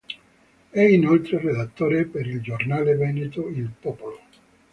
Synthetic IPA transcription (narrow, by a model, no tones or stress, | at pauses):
ɛinolt̪ɾered̪at̪ːoːɾepeɾild͡ʒornaːlevɛnet̪oilpɔpolo